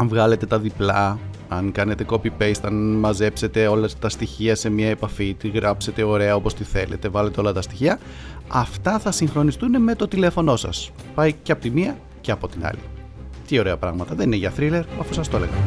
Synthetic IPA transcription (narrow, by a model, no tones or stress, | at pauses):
ɐɱvɣɐle̞t̪e̞t̪ɐðiplɐɐŋkɐne̞t̪e̞ko̞pipejst̪ɐnmɐze̞pse̞t̪e̞o̞lɐt̪ɐst̪içiɐse̞miɐe̞pɐfit̪iɣɾɐpse̞t̪e̞o̞ɾe̞ɐo̞po̞st̪iθe̞le̞̰t̪e̞vɐle̞t̪e̞o̞lɐt̪ɐst̪i̥çiɐ | ɐft̪ɐθɐsiŋxɾo̞nist̪uneme̞t̪o̞t̪ile̞fo̞no̞sɐ̰s | pɐjceɐpo̞t̪imiɐ | ceɐpo̞t̪inɐ̰lḭ | t̪io̞ɾe̞ɐpɾɐ̰ɣmɐt̪ɐðe̞nineʝɐθɾile̞ɾɐfusɐst̪o̞le̞ɣɐ̰